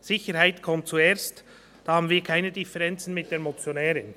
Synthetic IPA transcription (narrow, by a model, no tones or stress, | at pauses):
sɪçəɾhaɪtkʰɔmt̚t͡sueːst | d̥ɑːhɑːbn̩viːɐkʰaɪnədɪfɛʁɛnt͡sn̩mɪt̚d̥eːɐmot͡sjonɛːɾən